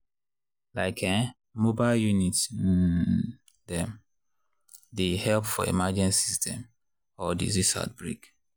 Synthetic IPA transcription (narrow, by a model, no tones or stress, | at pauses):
laɪkʰɛ̃ | mobaɪljunit | dɛm | dehɛlpfɔḛmad͡ʒɛ̃nsistʰɛ̃m | ɔdḭzisa̰t̚bɹḭk